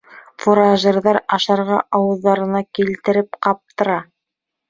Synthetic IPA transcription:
fuɾaʒɤ̆ɾðɑɾɑʃɑɾʁɑʔɑwɤ̆ðːɑɾɤ̆nɑkilt̪ɘ̆ɾɘpqɑp̚t̪ɤ̆ɾɑ

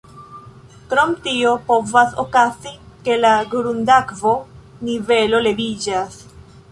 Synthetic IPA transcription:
kɾo̞mtio̞po̞vaso̞̰kazi | ke̞laɡɾundakvo̞ | nive̞lo̞le̞vid͡ʒas

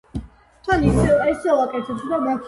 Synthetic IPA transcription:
t̪ʰanit̪ʰɛɛsɛvakʼɛt̪ʰɛpsd̪amakʰ

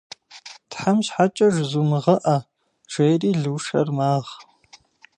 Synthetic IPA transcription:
tħamɕħat͡ʃʼɐʒʷzuːmɨʁɐʔɐ | ʒ̥eːjriːɮuːʂɐ̰rmaːʁ

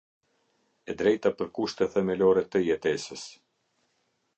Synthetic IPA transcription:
ɛd̪ɾɛjt̪apəɾkuʃt̪ɛθɛmɛlɔɾɛt̪əjɛt̪ɛsəs

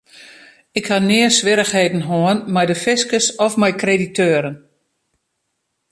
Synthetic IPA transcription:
ɪkhanɪəsʋɪɾəxheːdn̩ɦoənmɛjdəfɪskəsɔfmɛjkreditøːɾən

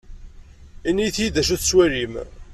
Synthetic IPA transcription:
inːijθjiðæʃuθswæɾim

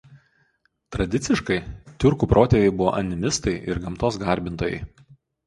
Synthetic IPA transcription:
t̪ɾɐd̪ʲɪt̪sʲɪʃkɐɪt̪ʲʊɾkuːpɾʔoːt̪ʲɛʋʲɛɪbʊʋo̰ːʔɐnʲɪnʲɪst̪ɐɪʔɪ̰ɾɡɐmt̪oːsɡɑˑɾʲbʲɪnt̪oːjɛ̰ɪ

